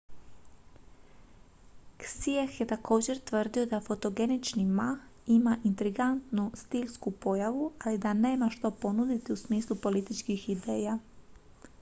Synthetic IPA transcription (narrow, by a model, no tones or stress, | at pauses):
ksiexjet̪ako̞ːd͡ʑe̞ɾt̪ʋr̩d̪io̞d̪afo̞t̪o̞ɡe̞nit͡ʃnimaximaʔint̪ɾiɡant̪nust̪iʎskupo̞jaʋualid̪aneːmaʃt̪opo̞nud̪it̪iusmiːslˠupo̞lit̪it͡ʃkixid̪e̞ːja